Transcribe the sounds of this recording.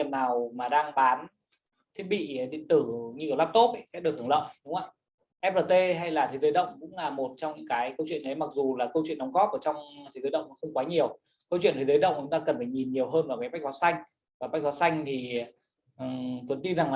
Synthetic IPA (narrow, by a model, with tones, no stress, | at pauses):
ənːaː˨˩wmaː˨˩ɗaː˧ŋɓaː˨˦n | t̪ʰi˦˥t̚ɓḭ˧˨˩ɗḭ˧˨ənt̪ɨ˧˩ɲɨ˧i˨˩wlaː˦˥p̚t̪o˦˥p̚ʔsa˧˦˥ɗɨ˨˩t̪ːŋlə̰ː˧˨jɗʊ˨˦ŋ͡mʔə̰˧˩j | ʔɛ˦˥p̚ləː˨˧˩t̪e˧ɦa˧jlaː˨˩t̪ʰi˨˦zəː˨˦jɗə̰˧˨wŋ͡mkʊ̰˧˥ŋ͡mlaː˨˩mo˨˩t̚t͡ɕɔ˧wŋ͡mɲɨ̰˧˥ŋkaː˨˦jkə˧wt͡ɕwḭ˧˨ənʔə˨˦jma˨˩k̚zu˨˩laː˨˩kə˧wt͡ɕwḭ˧˨ənɗɔ˨˦ŋ͡mŋɣɔ˦˥p̚ʔəː˧˩t͡ɕɔ˧wŋ͡mt̪ʰi˨˦jzə˨˦ɗə˧˨wŋ͡mkɔ˧˦xə˧wŋ͡mkwaː˨˦ɲi˨˩əw | kə˧wt͡ɕwḭ˧˨ənt̪ʰzə˨˦jɗə̰˧˨wŋ͡mkʊ̰˧˦ŋ͡mt̪aː˧kə˨˩nfaː˧˩jɲi˨˩nɲi˨˩əwɦəː˧nva˨˩kaː˨˦jɓa˦˥k̚zɔ˨˦sa˧jŋ̟ | vaː˨˩ɓa˦˥k̚zɔ˨˦sa˧jŋ̟t̪ʰi˨˩ | ʔt̪wə˨˩˦nt̪i˧nza˨˩ŋː˨˩